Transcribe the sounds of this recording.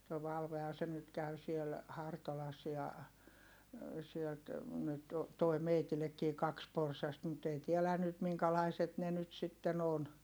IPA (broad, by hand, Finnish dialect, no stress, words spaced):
toi ʋɑlʋehɑn̞ se nyt kæy siel hɑrtolɑs jɑ sielt nyt toi meitilekːiː kɑks porsɑst mut ei tiɛlæˑ nyt miŋkælɑiset ne nyt sitːen on